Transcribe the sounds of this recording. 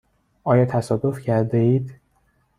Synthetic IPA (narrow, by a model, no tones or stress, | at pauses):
ʔɒːjɒːt̪ʰæsɒːd̪ofcʰæɾd̪eiːd̪